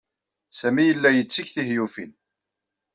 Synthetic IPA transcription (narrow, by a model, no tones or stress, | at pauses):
sæmijəlːæjət͡sːiçθihjufḭn